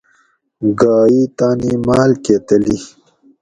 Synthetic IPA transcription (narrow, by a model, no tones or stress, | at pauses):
ɡaːit̪aːnimaːlket̪əli